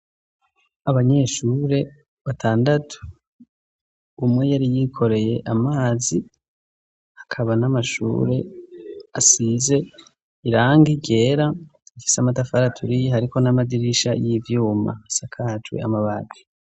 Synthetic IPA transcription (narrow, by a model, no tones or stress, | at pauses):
aβaɲe̞ʃuːɾe̞ | βatʰaːndatʰu̥ | umŋe̞jaɾijikʰo̞ɾe̞je̞ʔamaːzi | akʰaβanamaʃṵːɾe̞ | asize̞ | iɾaːŋɡiɟe̞ːɾaifi̥samatafaɾatʰuɾijhaɾiko̞namadiɾiʃajivjuːma̰sakʰaːt͡ʃwḛa̰maβaɡwe̥